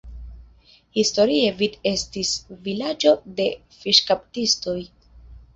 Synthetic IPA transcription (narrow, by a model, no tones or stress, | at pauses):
histo̞ɾievide̞stisvilad͡ʒo̞de̞ | fiʃkaptisto̞j